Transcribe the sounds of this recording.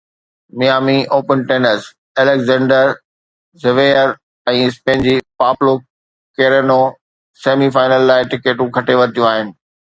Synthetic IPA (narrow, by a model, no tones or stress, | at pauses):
mijaːmiʔoːpənʈeːnəɾs | eːlekzɛ̃ːɳɖəɾ | zɪʋeːəɾ | ɛ̃ːɪspẽːnd͡ʑipaːplo | keːɾeno | seːmifaːɪnəlːaːɪʈɪkeːʈũkʰɐʈeʋɐɾɪt̪ʰijũaːɦɪnɪ̆